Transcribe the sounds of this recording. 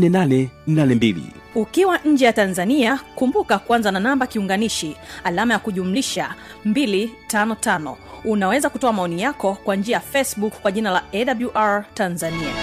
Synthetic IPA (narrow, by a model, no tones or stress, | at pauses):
nɛnanɛnanɛmbilḭ | ukiwaʔɲ̩d͡ʒɛjatanzaniakumbukakuanzananambakiuŋɡaniʃialamajakuʄum̩liʃa | mbilitanɔtanɔ̰unawɛzakutɔamaɔnijakɔkwaɲd͡ʒiajafɛsɓukkːwaʄinalaɛɗabuʔaɹtanzania